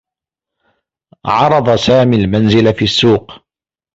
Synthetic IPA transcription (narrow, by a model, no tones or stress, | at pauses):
ʕɑɾˤɑd̪ˤɑsaːmiːlmanzɪlafiːʔsːuːq